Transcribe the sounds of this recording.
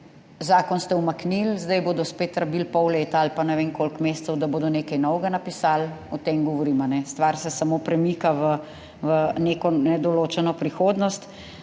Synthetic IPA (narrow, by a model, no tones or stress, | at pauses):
zaːkɔnst̪ɛwmaknilzd̪ɛjboːd̪ɔspeːt̪ɾabilpɔwleːt̪aalpanɛʋeŋkolkmeːst̪sɛwd̪aboːd̪ɔneːkajnɔwɡanapisaːlɔt̪emɡɔʋɔɾiːmanɛst̪ʋaɾsɛsamopɾɛmiːkaʋə | ʋəneːkɔnɛd̪ɔloːt͡ʃɛnɔpɾixoːd̪nɔst̪